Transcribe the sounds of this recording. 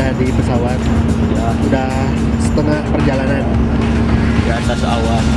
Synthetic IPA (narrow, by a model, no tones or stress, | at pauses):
adipəsawat̪̚ja | udah | sət̪əŋahpərd͡ʒalanan | jatk̪asawal